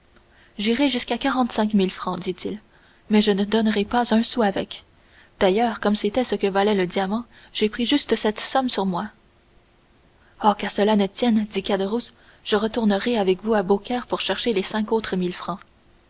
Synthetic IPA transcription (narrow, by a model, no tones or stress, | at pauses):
ʒiʁeʒyskakaʁɑ̃t̪sɛ̃kmilfχɑ̃d̪it̪ʰil | mɛʒənəd̪ɔnʁepazœ̃suavɛk | d̪̥ajœːʁkɔmset̪ɛsəkəvalɛləd̪jamɑ̃ | ʒ̥epχiʒyst̪sɛt̪sɔmsyʁmwa | okaʁsəlanət̪jɛnd̪ikad̪əʁus | ʒ̥əʁət̪uʁnəʁeavɛkvuabokʲɛːʁpuʁʃɛʁʃelesɛ̃kot̪χəmilfχɑ̃